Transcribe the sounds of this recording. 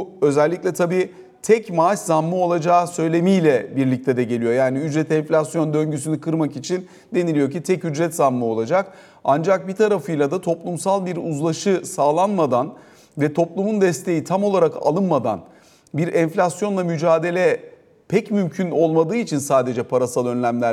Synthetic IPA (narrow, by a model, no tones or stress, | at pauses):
ø̞zɛlʲːicʲlʲɛt̪ʰabiː | t̪ʰɛcmaʃzamːɯo̞lˠad͡ʒaːsø̞jlʲe̞mijlʲɛbiɾlʲic̚t̪ʰɛd̪ɛɟe̞lʲijo̞jaːniyd͡ʒɾɛt̪ʰɛnflʲasjo̞nd̪ø̞ɲɟys̬ynykʰɯɾmakit͡ʃʰin | d̪e̞nilʲijo̞cit̪ʰɛcyd͡ʒɾɛt̪zamːɯo̞lˠad͡ʒak | and͡ʒak̚bit̪ʰaɾafɯjlˠad̪at̪ʰo̞plˠumsalˠbiɾuzlˠaʃɯsaːlˠanmad̪an | vɛt̪ʰo̞plˠumund̪ɛst̪ʰe̞jit̪ʰamo̞lˠaɾaka̰lˠɯnmad̪a̰n | biɾɛnflʲasjo̞nlˠamyd͡ʒaːd̪e̞lʲɛ | pʰɛcmymcʰyno̞lˠmad̪ɯːit͡ʃʰinsaːd̪e̞d͡ʒɛpʰaɾasalˠø̞nlʲæmlʲæɾ